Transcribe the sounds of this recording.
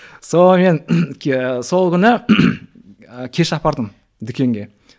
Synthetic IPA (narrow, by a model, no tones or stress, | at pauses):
so̞me̞nʲ | so̞lˠkʲʰʏnɪ | əkʲʰe̞ʃɑpɑɾd̪əm | d̪ɪkʲe̞ŋɡʲe̞